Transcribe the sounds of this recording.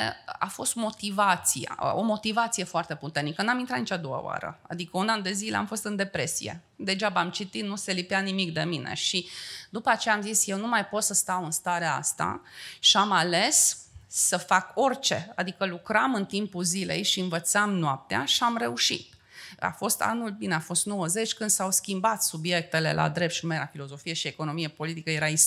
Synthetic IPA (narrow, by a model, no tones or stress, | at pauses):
afo̞st̪mo̞t̪ivat̪sija̰o̞mo̞t̪ivat̪sije̞foart̪e̞put̪ernikənamint̪ɾat̪nit͡ʃad̪owə̰oa̰ɾə̰a̰d̪ikəunand̪e̞zilea̰mfo̞st̪ɨnd̪e̞pɾe̞sḭjḛ | d̪e̞ʒabamt͡ʃit̪inuse̞lipeanimik̚d̪e̞minʔe̞̰ʃid̪upəat͡ʃe̞jaːmzisje̞wnumajpo̞t̪səst̪awɨnst̪aɾeaa̰st̪a̰ʃiamale̞sː | əfako̞rt͡ʃe̞̰ad̪ikəlukɾamɨnt̪impuzile̞̰jʃiɨnvət̪samnwap̚t̪ea̰ʃiamɾe̞uʃḭt̪̚ | a̰fo̞st̪a̰nulbineafo̞st̪no̞wəze̞t͡ʃʲkɨnd̪sawskʲimbat̪subje̞k̚t̪e̞le̞̰lʔa̰d̪ɾep̚t̪ʃinumeelafilo̞zo̞fije̞ʃie̞ko̞no̞mije̞po̞lit̪ikəje̞ɾais